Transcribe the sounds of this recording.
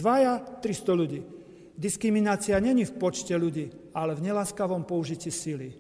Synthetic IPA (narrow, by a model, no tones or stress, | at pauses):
ʋajat̪ɾist̪ɔʎuɟiː | d̪iskɾiminaːt͡siaɲɛɲifpɔt͡ʃcɛʎuɟiːalɛvɲɛlaːskaʋɔmpɔuʒiciːsili